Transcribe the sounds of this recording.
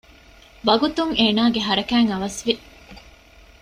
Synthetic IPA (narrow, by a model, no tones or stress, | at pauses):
ʋɐɡut̪uŋeːnaːɡeɦɐɾɐkæːŋɐʋɐsʋi